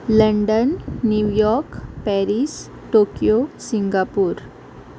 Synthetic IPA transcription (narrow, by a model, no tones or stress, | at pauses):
ləɳɖənːjujɔɾkpɛɾis | ʈokijosiŋɡapuːɾ